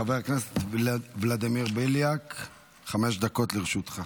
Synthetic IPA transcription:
aveʁakneset̪vlad̪imiʁbiljak | χame̞ʃd̪ako̞t̪leʁeʃut̪χa

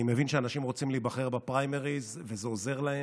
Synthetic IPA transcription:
imevinʃeanaʃimʁo̞t͡simliːbaχe̞ʁbapʁajmeʁiz | vezeo̞ze̞ʁlae

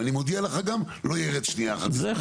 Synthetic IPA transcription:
animod̪ialeχaɡam | lo̞jeʁedʃniaχa̰t̪i

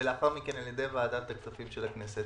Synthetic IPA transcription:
leaχaʁmikenaljed̪ejavaːd̪at̪aktafimʃelakneset̪

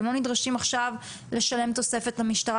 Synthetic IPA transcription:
mlonidʁaʃimaχʃav | le̞ʃale̞mt̪o̞se̞fe̞tlamiʃtaʁa

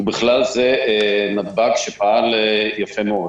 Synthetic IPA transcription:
biχlalzenad̪baɡʃepaaljafemo

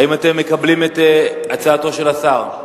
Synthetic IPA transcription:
aimate̞mːe̞kablimet̪eat͡saːto̞ʃe̞lasaʁ

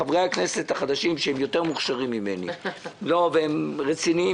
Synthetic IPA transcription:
avʁejakne̞se̞t̪haχad̪aʃimʃehemjo̞t̪e̞ʁmuχʃaʁimːime̞nḭlo̞veemʁet͡sinii

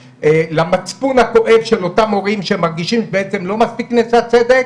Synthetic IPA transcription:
elamat͡spunhako̞ʔe̞vʃelo̞tamo̞ʁimʃemaʁɡiʃimbeet͡se̞mlo̞maspiknesat͡sed̪e̞k

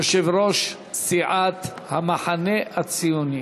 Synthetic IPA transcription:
oʃevɾoʃ | siʕat̪ | hamaħaneʔat͡sijoni

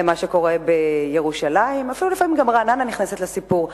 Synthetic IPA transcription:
emaʃeko̞ʁe̞be̞je̞ʁuʃalaimafilulefamimɡamʁanananiχneset̪lesipuʁ

